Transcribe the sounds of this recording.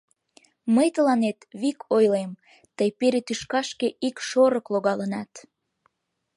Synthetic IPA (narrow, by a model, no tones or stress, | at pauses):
məjt̪əlɑnet̪βikʰojlem | t̪əjpeɾet̪yʃkɑʃkeikʃoɾəkloɣɑlənɑ̰t̪